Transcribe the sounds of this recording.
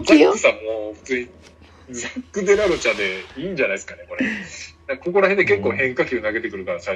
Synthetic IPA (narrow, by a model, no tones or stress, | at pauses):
okɯ̟̥sammːoɸɯ̟̥t͡sɨːɲ̟i | zakːɯ̟d̪e̞ɾaɾo̞t͡ɕad̪e̞iːɲ̟d͡ʑanaisɨ̥kane̞ko̞ɾenãkako̞ko̞ɾaɦend̪eke̞kːo̞ːhẽ̞ŋkakʲionaɡe̞t̪e̞kɯ̟ɾɯ̟kaɾasai